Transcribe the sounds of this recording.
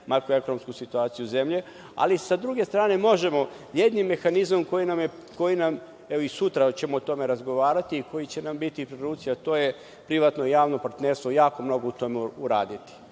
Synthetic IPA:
maɾkue̞ko̞no̞mskusit̪uaːt̪sijuze̞mʎe | a̰lisad̪ɾuɡe̞st̪ɾaːne̞mo̞ʒe̞mo̞ | je̞d̪nimːe̞xanizamko̞jinamje | ko̞jinam | eʋoisut̪ɾat͡ɕe̞moːt̪o̞me̞ɾazɡo̞ʋaːɾat̪iːko̞jit͡ɕe̞nambit̪ipɾeɾuːpt̪sijat̪o̞ːje̞ | pɾiʋat̪nojaːʋno̞paɾt̪neɾst̪ʋo̞jaːko̞mno̞ɡout̪o̞meuɾa̰ːd̪it̪i̥

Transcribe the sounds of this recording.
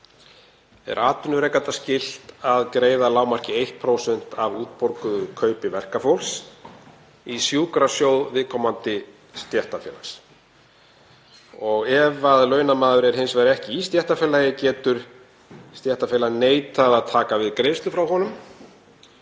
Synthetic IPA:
ɛ̰ɾʔaːt̪ʏnʏɾejkant̪ascɪl̥t̪aðkɾeːjðalaːwmar̥cɪejht̪̚pʰɾowsɛn̥t̪ʰavuːt̪̚pɔɾkʏðʏkʰœːɥpɪvɛr̥kafɔwls | isjuːkɾasjoːwðvɪðkʰɔmant̪ɪ | st̪jɛht̪afɛ̰ːla̰s | ɔɣɛvaðlœɥnamaːðʏɾɛɾ̥ɦɪnsvajɾɛhcɪist̪jɛht̪afɛːlajɪcɛːt̪ʏɾ̥ | st̪jɛht̪afɛlaneːjt̪aðaðt̪ʰaːkavɪðkɾeːjst̪ʏfɾawɦɔnʏm

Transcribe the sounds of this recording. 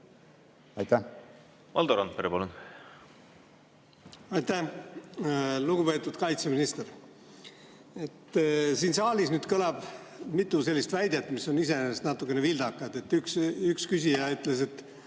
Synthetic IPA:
ɑjt̪æ | mɑ̰ld̪oɾɑnt̪̚peɾepɑlun | ɑjt̪æh | luɡupe̞ːt̪ːˑud̪kɑjt̪seminist̪er | et̪ːsiːnsɑːlisnyːd̪̥kɤlɑb̥mit̪ːˑuse̞lːist̪væjd̪̥et̪ːmiso̞nise̞nest̪nɑt̪ːˑukːˑe̞nevild̪ɑkːˑɑd̪e̞t̪ːˑyksykskysʲijɑyt̪ːle̞se̞t̪ːˑ

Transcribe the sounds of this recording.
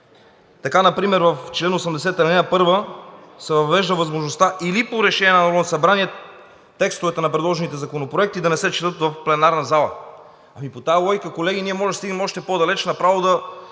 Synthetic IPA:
t̪ɐkanɐpɾimɛɾvɐft͡ʃlɛnosɐmd̪ɛsɛt̪ɐɾnɛnapɤɾvəsɛvɐvɛʒd̪əvɐzmoʒnost̪aʔilipoɾɛʃɛnʲiɛnɐnoɾonsɐbɾaniɛ | t̪ːɛkst̪ovɛt̪ɛnɐpɾɛd̪lˠɔʒɛnit̪ɛzɐkonopɾoɛk̚t̪id̪ɐnɛsɛt͡ʃɛ̥t̪ɤt̪vɐfplɛnaɾnɐzalˠə | ɐmipot̪alˠɔjkəkolɛɡʲiniɛmɔʒɛst̪iɡnəmɔʃt̪ɛpod̪ɐlɛt͡ʃnɐpɾavod̪ɐ

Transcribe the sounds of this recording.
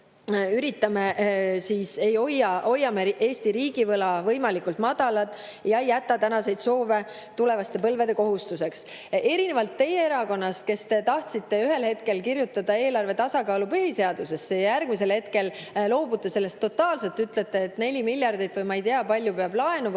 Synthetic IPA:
yɾit̪ːˑɑme̞siːse̞jo̞jɑo̞jːɑmeʔe̞ːst̪iɾiːɡ̥ivɤlɑvɤ̞jmɑlikult̪mɑd̪̥ɑlɑt̪ˑː | jɑejæt̪ːˑɑt̪ænɑse̞jd̪̥so̞ːve̞ | t̪ule̞vɑst̪e̞pɤ̞lve̞d̪eko̞ɦust̪use̞ks | e̞ɾinevɑlt̪ːe̞je̞eɾɑko̞nːɑst̪̚ke̞st̪e̞t̪ɑht̪sit̪ːe̞yɦe̞lhe̞t̪ke̞lkiɾjut̪ːˑɑd̪ɑe̞ːlɑrve̞t̪ɑsɑkɑːlupɯɦise̞ɑd̪̥use̞sːejɑjærɡ̥mise̞lhe̞t̪ke̞llo̞ːbut̪ːˑese̞lːe̞st̪ːo̞t̪ːˑɑːlse̞lt̪yt̪le̞t̪ːˑe̞ːt̪ˑne̞lʲimilʲjɑrd̪ijt̪vɯjmɑejt̪eɑpɑlʲjupeɑb̥lɑe̞nu

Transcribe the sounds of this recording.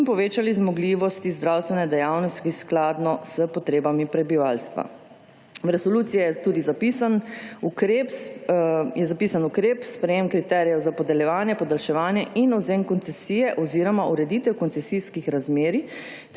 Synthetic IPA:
inpɔʋeːt͡ʃalizmɔɡliʋɔst̪izd̪ɾawst̪ʋɛnɛd̪ɛjawnɔst̪t̪isklaːd̪nɔsəpɔt̪ɾeːbamipɾɛbiʋaːlst̪ʋa̰ | wɾɛsɔluːt̪sijɛjɛt̪uːd̪izapisanukɾep | jɛzapiːsanukɾeːpspɾɛjeːmkɾit̪ɛɾijɛwzapɔd̪ɛljɛʋaːnjɛpɔd̪alʃɛʋaːnjɛʔinɔd̪zeːnkɔnt̪sɛsiːjɛʔɔziːɾɔmaʔuɾɛd̪it̪ɛwkɔnsɛsiskixɾazmeːɾi

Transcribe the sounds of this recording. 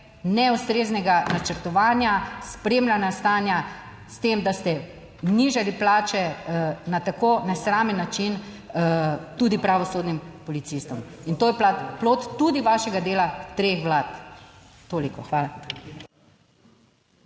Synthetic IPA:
nɛust̪ɾeːznɛɡanat͡ʃəɾt̪ɔʋaːnjaspɾeːmlʲanast̪aːnja | st̪emd̪ast̪ɛ | niʒaliplaːt͡ʃɛnat̪akoːnɛsɾamɛnːat͡ʃin | t̪uːd̪ipɾaʋɔsoːd̪nimpɔlit̪sist̪ɔm | int̪oːjɛplaploːt̪ːud̪iʋaʃɛɡad̪eːlat̪ɾexʋlaːt̪ | t̪oːlikɔxʋaːla

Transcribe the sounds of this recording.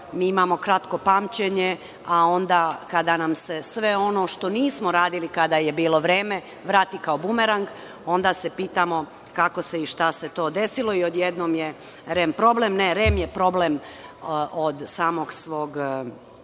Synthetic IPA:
miːimamo̞kɾat̪ko̞paːmt͡ɕeɲe | ao̞nd̪aːkad̪anamse̞sʋe̞o̞no̞ʃt̪o̞niːsmo̞ɾaːd̪ilikad̪ajebiːlo̞ʋɾeːme̞ | ʋɾaːt̪ikaobumeɾaŋɡ | o̞nd̪ase̞piːt̪amo̞ | kako̞se̞iʃt̪ase̞t̪o̞ːd̪e̞silo̞iod̪jed̪noːmje | ɾempɾo̞blemneɾemjepɾo̞blem | ʔod̪saːmo̞ɡsʋo̞ːɡ

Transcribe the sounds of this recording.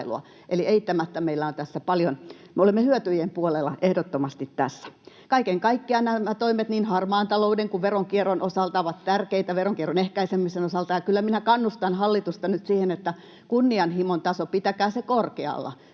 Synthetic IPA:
lṵɑ̰ | ʔeliʔeit̪ːæmæt̪ːæmeilːæont̪æsːæpɑljon | meolemːehyøt̪yjempuolelːˑɑʔehdot̪ːomɑst̪it̪tæsːæ̥ | kɑikeŋkɑikːiɑnæmːæt̪oimet̪niːnhɑrmɑːnt̪ɑloudeŋkuʋʋeroŋkieronʔosɑlt̪ɑoʋɑt̪t̪ærkeit̪æʋeroŋkieronehkæisemisenosɑlt̪ɑjɑkylːæminækɑnːust̪ɑnhɑlːit̪ust̪ɑnyt̪siːhenet̪ːæ | kunːiɑnhimont̪ɑsopit̪ækæːsekorkeɑ̰lːɑ̰

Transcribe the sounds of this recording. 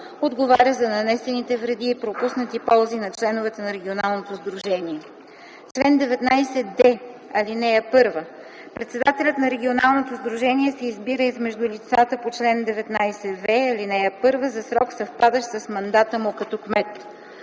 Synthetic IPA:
od̪ɡovaɾʲəzɐnɐnɛsɛnit̪ɛvɾɛd̪iːpɾopusnət̪ipɔlˠzinɐt͡ʃlɛnovɛt̪ɛnɐɾɛɡ̟ʲionalˠnot̪ozd̪ɾuʒɛniɛ | t͡ʃlɛnd̪ɛvɛt̪najsɛd̪ɛ | ɐlinɛəpɤɾvə | pɾɛt̪sɛd̪at̪ɛlʲət̪nɐɾɛɡ̟ʲionalˠnot̪ozd̪ɾuʒɛniɛsɛizbiɾəizmɛʒd̪ʊlʲit̪sat̪əpot͡ʃlɛnd̪ɛvɛt̪najsɛvɛɐlinɛjɐpɤɾvəzɐsɾɔksɐfpad̪əʃsɐsmɐnd̪at̪əmʊkɐt̪ɔkmɛt̪

